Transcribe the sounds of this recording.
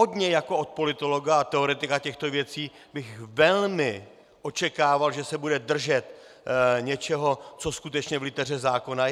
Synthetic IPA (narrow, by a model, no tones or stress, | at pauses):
ɦodɲɛjakoot̪̚po̞lɪt̪o̞lo̞ɡaat̪ɛoɾɛt̪ɪkacɛxt̪o̞vjɛt͡siː | bɪxvɛlmɪ | ʔo̞t͡ʃɛkaːvalʒɛsɛbudɛd̪r̩ʒɛt̪ | ɲɛt͡ʃɛɦo̞t͡so̞skut̪ɛt͡ʃɲɛvlɪt̪ɛr̝ɛzaːkona